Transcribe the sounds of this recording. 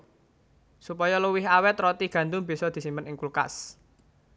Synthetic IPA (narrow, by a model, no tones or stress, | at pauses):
supɔjɔləwɪɦawɛt̪rɔt̪iɡ̥ä̤nd̪ʊŋb̥i̤sɔd̪̥i̤simpənɪŋkulka̰s